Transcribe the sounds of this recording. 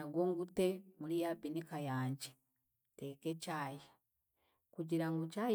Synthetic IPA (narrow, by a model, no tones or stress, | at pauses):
aɡwoːŋɡutemulijapinikajaːɲɟe | tekecaːja | kuɟiɾaŋɡucaːj